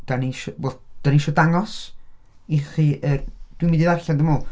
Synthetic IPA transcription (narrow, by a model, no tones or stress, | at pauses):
d̥aniʃɔoθd̥aniʃɔdaŋɔs | iχiʔəd̥wimĩndiðarɬandəmɔː